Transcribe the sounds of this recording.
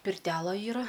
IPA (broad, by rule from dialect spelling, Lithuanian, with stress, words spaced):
pʲɪrʲˈtʲæːlˠɐ ˈiːrɐ